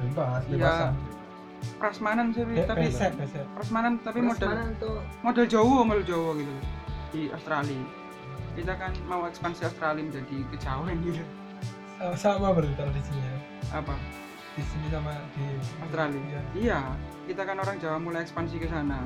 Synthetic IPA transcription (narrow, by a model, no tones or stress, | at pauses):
impasija | pɾasmanansepit̪abpisɛt̪̚bɛsɛt̪pɾasmanant̪apimodalnt̪omodald͡ʒauɔmld͡ʒauwɔɡit̪ud̥iʔa̰st̪ɾali | kit̪akanmauɛkspansiast̪ɾaliməd͡ʒadikə̥d͡ʒawɛnɡit̪u | asawabaɾut̪aɾadisiɲiɲa | ʔapa | d̥isiɲisamad̥iast̪ɾalijijakit̪akanoɾaŋd͡ʒawapmulajɛkspansikəsana